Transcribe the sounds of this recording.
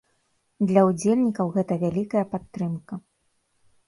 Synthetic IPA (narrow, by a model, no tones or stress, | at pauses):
d̪lʲɐud͡zʲelʲnʲikɐwɣɛt̪ɐvʲalʲikɐjɐpat̪ːɾɨmkɐ